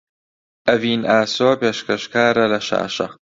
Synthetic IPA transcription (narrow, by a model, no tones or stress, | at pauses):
ʔɐviːnaːsoːpeːʃkɐʃkaːɾɐlɐʃa̰ːʃɐ̰